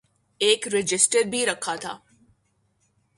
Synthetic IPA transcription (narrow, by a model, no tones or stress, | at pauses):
eːkɾɪd͡ʒɪsʈəɾbʱiɾɐkʰːat̪ʰa̰ː